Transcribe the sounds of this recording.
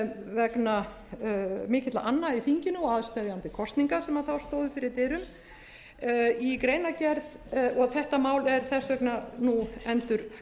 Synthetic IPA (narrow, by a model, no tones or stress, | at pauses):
vɛkna | mɪːcɪt̪la̰ʔanːaiθiɲcɪnʏɔaðst̪ɛːðjant̪ɪkʰɔst̪niŋkasɛmaðθawst̪oːwðʏfɪɾɪɾt̪ɪːɾʏm | ikɾeːjnacɛɾðɔɣθɛht̪amaːwlɛɾ̥θɛsːvɛknanuɛnt̪ʏɾ̥